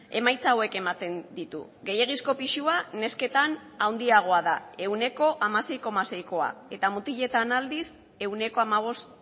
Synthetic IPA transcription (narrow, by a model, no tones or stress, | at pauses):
e̞majt͡sawe̞ke̞mat̪e̞nd̪it̪ṵ | ɣe̞jeɣ̞isko̞piʃuane̞ske̞t̪anawnd̪iaɣ̞o̞aðae̞wne̞ko̞ʔamase̞jko̞mase̞jko̞a̰e̞t̪amut̪iʎe̞t̪anald̪is | e̞wne̞ko̞amaβ̞o̞st̪